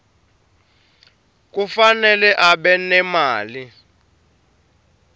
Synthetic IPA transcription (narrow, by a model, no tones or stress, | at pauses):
k̬ufanɛlɛʔaɓɛnɛmaːli